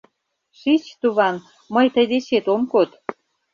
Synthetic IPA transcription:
ʃit͡ɕt̪uβɑn | məjt̪əjd̪et͡ɕet̪omkot̪

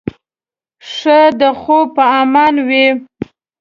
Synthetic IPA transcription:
ʂəd̪əxopəamɑnwi

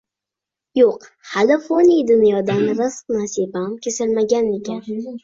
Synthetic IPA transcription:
joq | halɪfonijd̪ʊnjɒd̪anɾɨsq̚nasibamkʲʰesɪlmaɡʲanekʲʰan

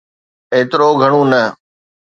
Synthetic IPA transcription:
eːt̪ɪɾoːɡʱəɽ̃ũːnə

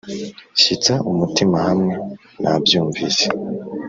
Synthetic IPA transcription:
ʃit͡saʔumutimahamŋe̞ | nʔabjuːɱvise

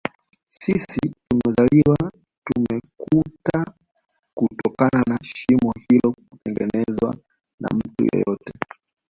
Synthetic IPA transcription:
sisitumɛzaliwa | tumɛkʰuta | kutɔkananaʃimɔhilɔkupɛŋɡɛnɛzwa̰ | na̰m̩tṵjɛ̰jɔtɛ

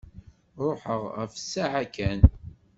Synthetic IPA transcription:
ɾˤoħəʁəfsːaʕakæn

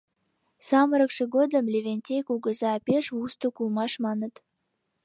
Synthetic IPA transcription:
sɑməɾəkʃĕɡod̪ə̆mlʲeβʲenʲtʲejkuɡə̆zɑːpeʃust̪okulˠmɑʃmɑnə̆t̪

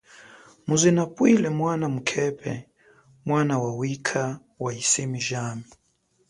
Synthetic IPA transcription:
muzinapwilɛmwanamukʰɛpʰɛ̰ | mwanawawikʰa | waisemiʒaːmi

